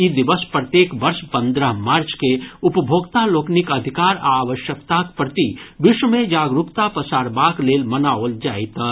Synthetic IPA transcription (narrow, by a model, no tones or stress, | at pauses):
id̪ɪʋəspɾət̪jeːkʋɐɾʃpə̃nd̪ɾəɦmaːɾt͡ʃkeʊpəbʱoːɡt̪aloːknɪkɐd̪ʱɪkaːɾaːʋəʃjəkt̪akpɾɐt̪iʋɪʃwəmẽd͡ʒaːɡɾukt̪apəsaːɾbaːkleːlmɐnaoːld͡ʒaːit̪